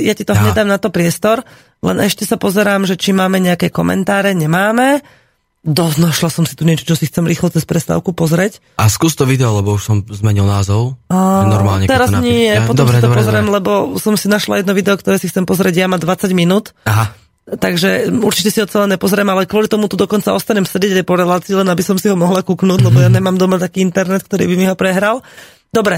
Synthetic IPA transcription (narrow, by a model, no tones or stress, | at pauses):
jacit̪ɔɦɲɛd̪aːmnat̪ɔpɾɪɛst̪ɔɾ | lɛ̰nʔɛʃcɛsapɔzɛɾaːmʒɛt͡ʃimːaːmɛɲɛakɛkɔmʔɛ̰nt̪aːɾɛɲɛmaːmɛ | d̪ɔznaʃlasɔmsi̥t̪uɲɪɛt͡ʃɔ̥t͡ʃɔsixt͡sɛmɾiːxlɔt͡sɛspɾɛst̪a̰ːʊkupɔzɾɛc | askuːst̪ɔʋid̪ɛɔlɛbɔuʃsɔmzmɛɲilnaːzɔʊanɔɾma̰lɲɛt̪ɛɾaznɲijɛpɔtd̪ɔmsatɔpɔzɾɛmlɛbɔsɔmsinaʃla̰jɛd̪nɔʋid̪ɛɔkt̪ɔɾɛːsixt͡sɛmpɔzɾɛɟjamad̪ʋat͡saɟminuːt̪aɦa | t̪aɡʒɛuɾt͡ʃicɛsiɦɔt͡sɛlɛɲɛpɔzɾɛmalɛkʋɔlit̪ɔmut̪ud̪ɔkɔnt͡saɔst̪aɲɛmsɛɟɛɟajpɔɾɛlaːt͡siːlɛnabisɔmsiɦɔmɔɦlakuːknuːɟlɛɟbɔjaɲɛmaːmd̪ɔmat̪akiːint̪ɛɾnɛt̪̚k̚t̪ɔɾḭːbimiɦɔpɾɛɦɾal | d̪̥ɔbɾɛ